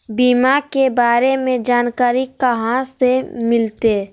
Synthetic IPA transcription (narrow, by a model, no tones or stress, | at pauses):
biːmakebaːɾemẽd͡ʒaːnkaːɾikəɦãsemɪlt̪e